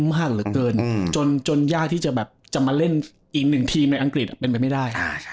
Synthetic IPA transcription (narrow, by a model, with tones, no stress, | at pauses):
maː˥˩k̚ɾɯː˨˩˦kɤː˧nt͡ɕo˧nt͡ɕo˧njaː˥˩k̚t̪ʰiː˥˩t͡ɕa˨˩bɛː˨˩p̚t͡ɕa˨˩maː˧le˥˩n | ʔiː˨˩k̚nɯ˨˩ŋt̪ʰiː˧mna˧jʔa˧ŋkɾi˨˩t̪̚a˨˩pe˧npa˧jma˥˩jdaː˥˩ja˧˥˩